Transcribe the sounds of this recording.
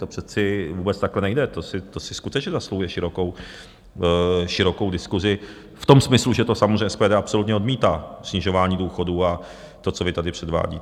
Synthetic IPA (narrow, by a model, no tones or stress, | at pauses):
t̪opr̥ɛt͡sɪvuːbɛt͡st̪aklɛnɛjdɛt̪osɪt̪osɪskut̪ɛt͡ʃɲɛzaslohujɛʃɪɾokow | ʃɪɾo̞kowdɪskuzɪ | ft̪o̞msmɪsluʒɛt̪o̞samozreɛspɛːdɛːapso̞lut̪ɲɛo̞dmiːt̪aːsɲɪʒo̞vaːɲiːduːxo̞duːa | t̪ot͡sovɪt̪adɪpr̥ɛdva̰ːɟḭː